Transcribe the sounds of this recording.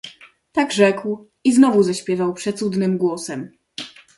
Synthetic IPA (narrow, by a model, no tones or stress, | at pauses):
t̪aɡʐɛkw | iznɔvuzaɕpʲjɛvawpʂɛt̪sud̪nɘmɡwɔsɛm